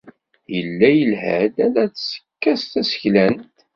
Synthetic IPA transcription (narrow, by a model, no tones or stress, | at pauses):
jəlːæjəlhæ̰d̪ælæt͡ssə̥kːæst̪æsə̥çlænt̪